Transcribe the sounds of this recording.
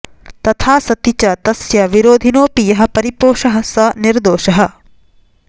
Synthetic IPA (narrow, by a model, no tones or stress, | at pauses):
t̪ɐt̪ʰaːsɐt̪it͡ʃɐt̪ɐsjɐʋiɾoːd̪ʱinoːpijɐɦɐ̆pɐɾipoːʃɐɦɐ̆sɐniɾd̪oːʃɐɦɐ̆